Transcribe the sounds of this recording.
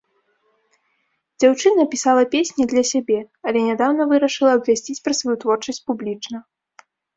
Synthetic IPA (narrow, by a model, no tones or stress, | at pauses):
d͡zʲawt͡ʂɨnɐpʲisalˠɐpʲesʲnʲɛd̪lʲɐsʲabʲɛ | ɐlʲɛnʲad̪awnɐvɨɾɐʂɨlˠɐːbvʲasʲt͡sʲit͡sʲpɾɐsvajut̪vɔrt͡ʂɐsʲtʲt͡sʲpublʲit͡ʂnɐ